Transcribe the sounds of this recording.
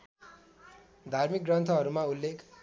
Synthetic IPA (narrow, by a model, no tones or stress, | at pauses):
d̪ʱarmik̚ɡrʌnt̪ʰʌɦʌɾumaulːek